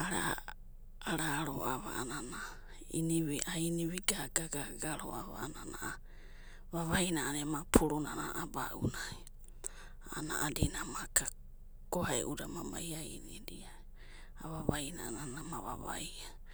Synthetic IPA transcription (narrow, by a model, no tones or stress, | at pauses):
aɾa̰ː | ɾaɾoʔaβa̰anana | iniβiʔainiβiɡaɡaɡaɡaɾo̰aβa̰ananaʔ | βaβajnanemapʰuɾunanaʔabaʔunai | anaʔadinamaka | kohaḛʔudamama̰iainidia | aβaβaina̰nanamaβa̰βa̰ja